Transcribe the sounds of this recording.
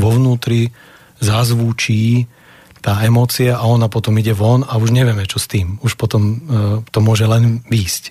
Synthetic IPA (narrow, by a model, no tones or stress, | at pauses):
ʋɔʋnuːt̪ɾi | zazʋuːt͡ʃiː | t̪aːɛmɔːt͡siaʔaɔnapɔt̪ɔmiɟɛʋɔnauʒɲɛʋɪɛmɛt͡ʃɔst̪iːmuʃpɔt̪ɔmt̪ɔmʊɔʒɛlɛnʋiːsc